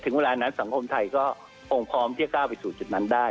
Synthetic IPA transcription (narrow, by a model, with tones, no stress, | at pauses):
t̪ʰɯ˩˦ŋweː˧laː˧na˦˥nsa˩˦ŋkʰo˧mt̪ʰa˧jkɔː˥˩ | pʰo˧ŋpʰɔː˦˥mt̪ʰi˥˩ə˩kaː˥˩wpa˧jsuː˨˩t͡ɕi˨˩t̪̚na˦˥ndaː˥˩